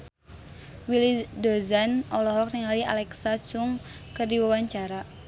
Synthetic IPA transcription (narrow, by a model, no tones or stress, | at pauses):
wilidozanɔlɔɦɔk̚niŋalia̰lɛksat͡ʃʊŋ | kɨrdiwawaɲt͡ʃaɾa